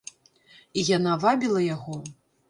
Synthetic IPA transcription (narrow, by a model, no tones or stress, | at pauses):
ijanavabʲilˠɐjaɣɔ